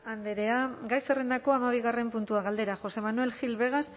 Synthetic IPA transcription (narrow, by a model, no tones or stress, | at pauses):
and̪eɾe̞aɡajserend̪ako̞amaβiɣare̞mpunt̪uaɣald̪e̞ɾaxo̞se̞manue̞lxilβe̞ɣ̞as